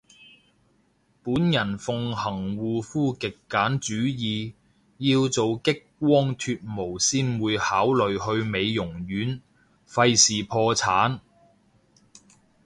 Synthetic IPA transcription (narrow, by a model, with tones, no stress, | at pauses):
puː˨˥njɐ˨˩nfʊ˨ŋhɐ˨˩ŋwuː˨˧fuː˥kɪ˨kːaː˨˥nt͡ʃyː˨˥jiː˨ | jiː˧wt͡so˨wkɪ˥kːwɔː˥ŋt̪ʰyː˧t̚mo˨˩wsiː˥nwuː˨˧jhaː˨˥wlɵ˨ɥhɵ˧ɥme˨˧jːʊ˨˩ŋjyː˨˥n | fɐ˧jsiː˨˩pʰɔː˧t͡sʰaː˨˥n